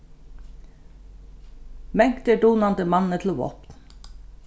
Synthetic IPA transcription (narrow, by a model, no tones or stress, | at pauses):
mɛŋkt̪əɖuːnɑnd̪əmɑnət̪ʰl̩ʋɔ̰pn